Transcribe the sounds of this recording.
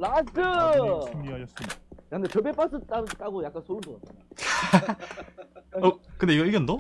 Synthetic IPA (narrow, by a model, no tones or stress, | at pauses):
lasɯ | saɯndet͡ɕʌbep͈as͈ʰɯt͈at͈aɡojak͈ansʰoɾɯdoʌt͈̚a | ʌkɯndeiɡʌiɡendo